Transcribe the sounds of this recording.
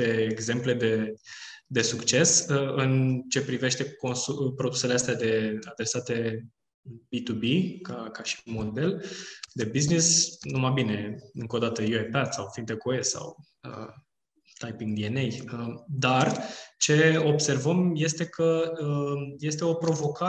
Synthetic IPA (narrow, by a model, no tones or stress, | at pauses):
pe̞eɡze̞mple̞d̪e̞ | d̪e̞sukt͡ʃe̞səɨnt͡ʃe̞pɾive̞ʃt̪e̞ko̞nsupɾo̞d̪u̥se̞least̪ead̪e̞ad̪ɾe̞sat̪e̞ | bit̪ubikakaʃi̥mo̞d̪e̞ld̪e̞biznisnumabine̞ɨŋko̞d̪at̪əjuepad̪sawfint̪ekoesa̰w | ə̰ | t̪ajpiŋɡd̪ienejəd̪art͡ʃe̞o̞bse̞rvəmje̞st̪e̞kʰəəje̞st̪e̞o̞pɾo̞vo̞ka